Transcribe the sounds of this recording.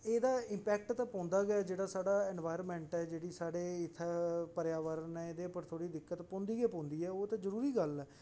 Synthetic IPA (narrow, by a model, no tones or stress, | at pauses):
eːd̪aːɪ̃mpɛːk̚ʈt̪ãːpɔ̃ːnd̪aːɡɛaːd͡ʒeːɽaːsaːɽaːɛːnʋaːɪɾəmɛ̃ːɳʈɛːd͡ʒeːɽiːsaːɽeːɪt̪ʰːɛːpəɾjaːʋəɾnɛ̃ːeːd̪eːpəɾt̪ʰoːɽiːd̪ɪkːət̪pɔ̃ːnd̪iːɡɛːpɔ̃ːnd̪iːɛːoːt̪ãːzəɾuːɾiːɡəlɛː